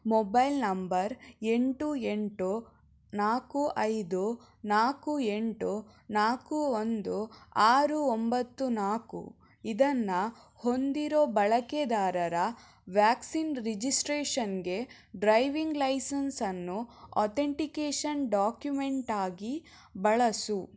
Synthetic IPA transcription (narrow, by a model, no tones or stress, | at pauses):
mɔbɐjlnɐmbɐɾe̞ɳʈue̞ɳʈu | naːkuʔɐjd̪u | naːkue̞ɳʈu | naːkuond̪uaːɾuombɐt̪ːunaːkṵ | id̪ɐnːɐ | ho̞nd̪iɾo̞ːbɐɭɐked̪aːɾɐɾɐ | ʋjaːksinɾid͡ʒisʈɾeːʂɐnɡe̞ | ɖɾɐjʋiŋɡlɐjsɐnsɐnːuɔ̰ːt̪ʰeɳʈikeːʂɐnɖaːkjume̞ɳʈaːɡi | bɐɭɐsu